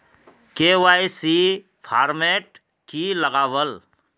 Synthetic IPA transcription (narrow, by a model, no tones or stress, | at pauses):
keʋaːjsi | pʰaːɾmeʈ̚ | kiləɡaːʋəl